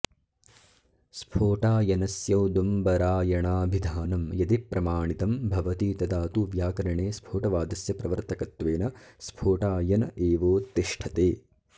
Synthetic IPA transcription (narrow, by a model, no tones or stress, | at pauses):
spʰoːʈaːjɐnɐsjɐwd̪umbɐɾaːjɐɳaːbʱid̪ʱaːnɐmjɐd̪ipɾɐmaːɳit̪ɐmbʱɐʋɐt̪iːt̪ɐd̪aːt̪uʋjaːkɐɾɐɳeːspʰoːʈɐʋaːd̪ɐsjɐpɾɐʋɐɾt̪ʰɐkɐt̪ʋeːnɐspʰoːʈaːjɐnɐeːʋoːt̪ːiʂʈʰɐt̪eː